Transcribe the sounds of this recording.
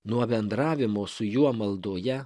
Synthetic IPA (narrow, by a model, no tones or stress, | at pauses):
nuɔbʲɛnd̪ɾɑːʋʲɪmoːsʊjuɔmɐlˠd̪oːjɛ